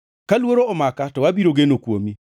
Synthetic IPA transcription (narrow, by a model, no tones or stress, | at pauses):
kalwoɾoɔmakatɔwabiɾoɡenokwomi